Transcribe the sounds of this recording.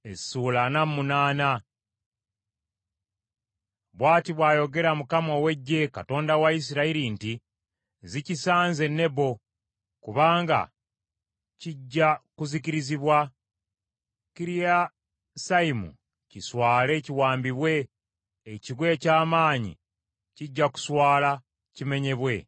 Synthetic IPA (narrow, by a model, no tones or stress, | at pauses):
ezisuːlanamːunaːna | βwaːtiβwaːjo̞ɡe̞ɾamukamo̞we̞ɟːe̞kato̞ːndawais̬iɾaiɾinti | zicisaːnze̞nːe̞bo̞ | kuβaːŋɡa̰ | ciɟːakuziciɾiziβwa | kiɾija | saimṵ | ciswaːle̞ciwaːmbiβwe̞ː | ciɡwe̞ːcaːmaːɲḭ | ciɟːaku̥swaːla | cime̞ɲe̞βwe̞